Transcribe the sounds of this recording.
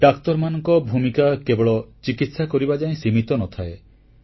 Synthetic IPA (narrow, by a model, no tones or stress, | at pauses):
ɖakt̪ɔɾmanɔŋkɔbʱumikakebɔɭɔt͡ʃikit̪sakɔɾibad͡ʒaĩsimit̪ɔnɔt̪ʰae